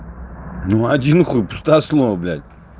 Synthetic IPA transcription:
nuad̪ʲinχɨpu̥st̪aslˠɔvəblʲa̰lʲ

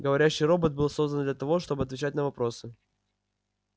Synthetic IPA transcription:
ɡəvɐɾʲæɕːijɾo̞bət̪̚bɨlˠso̞zd̪ənd̪lʲət̪ɐvo̞ʂt̪o̞bɨɐt̪vʲɪt͡ɕætʲnəvɐpɾo̞sɨ

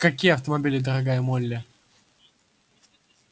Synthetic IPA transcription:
kɐkʲijəɐft̪əmɐbʲilʲɪd̪əɾɐɡajəmolʲːɪ

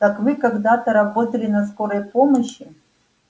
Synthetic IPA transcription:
t̪akvɨkaɡd̪at̪ɐɾɐbot̪ɐlʲɪnɐskoɾəjpoməɕːi

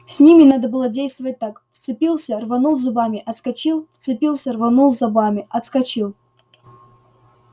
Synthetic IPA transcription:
sʲnʲimʲɪnad̪əbɨlˠədʲejst̪vəvət̚ʲt̪akft̪sɨpʲilˠsʲərvɐnulˠzʊbamʲɪʔɐt̪skɐt͡ɕilˠft̪sɨpʲilˠsʲərvɐnulˠzʲabamʲɪɐt̪skɐt͡ɕilˠ

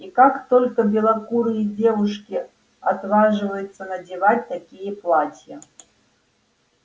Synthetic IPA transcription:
ikakt̪ɔlʲkɐbʲɛlˠakuɾɨid͡zʲɛvuʂkʲi | at̪vaʐɨvɐjut̪sːɐnɐd͡zʲivat͡sʲt̪akʲijɐplˠat͡sʲjɐ

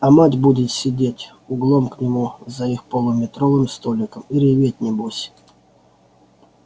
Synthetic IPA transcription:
ɐmatʲbudʲɪt̪sʲɪdʲetʲ | ʊɡlˠomknʲɪmuzɐixpəlˠʊmʲɪt̪ɾovɨmst̪olʲɪkəmiɾʲɪvʲet̚ʲnʲɪbusʲ

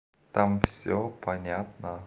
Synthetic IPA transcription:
t̪amfsʲopɐnʲat̪nə

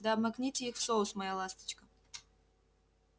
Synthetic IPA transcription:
d̪aɐbmɐknʲitʲixfsosmɐjalˠast̪ə̥t͡ɕkə

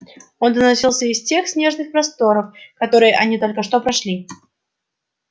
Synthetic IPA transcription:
o̞nd̪ənɐsʲilˠsʲəɪsʲtʲe̞xsʲnʲe̞ʐnɨxpɾɐst̪o̞ɾəfkɐt̪o̞ɾɨjəʔɐnʲit̪o̞lʲkəʂt̪o̞pɾɐʂlʲi

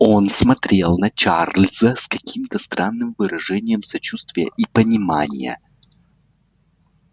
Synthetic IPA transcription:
o̞nsmɐt̪ɾʲe̞lˠnɐt͡ɕarlʲzəskɐkʲʰimt̪əst̪ɾʔanːɨmvɨɾɐʐɛnʲɪjəmsɐt͡ɕust̪vʲɪjə̰ʔipənʲɪma̰nʲɪ̰jə̰

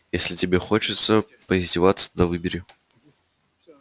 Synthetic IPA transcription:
jesʲlʲɪtʲɪbʲexot͡ɕɪt̪sə | pəɪzʲzʲdʲɪvat̪sə̥d̪ɐvɨbʲɪɾʲɪ

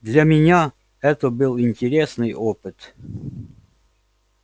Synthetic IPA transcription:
d̪lʲɐmʲɪnʲa | ɛt̪əbɨlˠɪnʲtʲɪɾʲesnɨjʔopɨt̪

